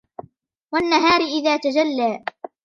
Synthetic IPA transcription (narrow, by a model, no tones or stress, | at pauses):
wanːaɦaːɾɪʔɪðaːt̪ad͡ʒalːaː